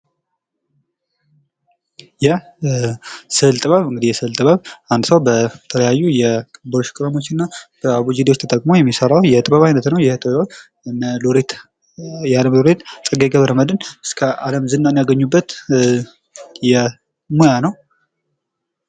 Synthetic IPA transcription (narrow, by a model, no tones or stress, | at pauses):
jɛ | sɨlt̪ʼɨβaβɨŋɡɨd̪ihjɛsɨlt̪ʼɨβəβand̪səwbət̪ʰələjajːujɛboɾʃkʼɾəmo̞t͡ʃːɪnːab̥əaβud͡ʒid̪wt͡ʃːt̪ʰət̪ʼəkʼmojɛmːisəɾawjɛt̪ʼɨβəβajnət̪nəwjɛht̪ʼbβa | mloɾet̪ | jaləmloɾet̪t͡sʼəɡeɡəβɾəməd̪ɨnɨskʰəaləmzɨnːanjaɡəɲːubːət̪ | jɛ | mojanəw